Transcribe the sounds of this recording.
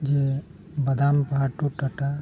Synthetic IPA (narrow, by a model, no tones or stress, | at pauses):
d͡ʒe | bɐd̪ampɦaʈuʈɐʈa